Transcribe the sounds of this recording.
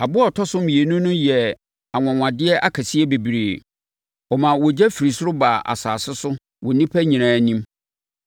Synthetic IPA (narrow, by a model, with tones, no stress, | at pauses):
a˨bʊ˦ɔ˨tʰɔ˦sʊ˦mĩ˨e˨nũ˦nʊ̃˦jɛ˨ | a˨ŋʷã˨ŋʷã˨dɪ˦ɛ˦ʔa˦kʰa˨sɪ˦ɛ˦be˨bi˨ɾeː˨ | ɔ˨mã˨wɔ˨d͡ʑɛ˦fi˨ɾi˨sʊ˦ɾʊ˦ba˨a̰˨saː˨sɪ˦sʊ˦ | wɔ˨nĩ˦pʰæ˦ɲĩ˨ɾ̃ãː˦nĩ˦m